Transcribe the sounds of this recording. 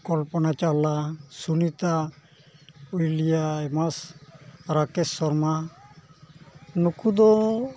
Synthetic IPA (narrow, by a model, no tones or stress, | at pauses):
kɔlpɔnat͡ʃalasunit̪a | ujlijaɛmas | ɾakɛsːɔɾma | nukud̪ɔ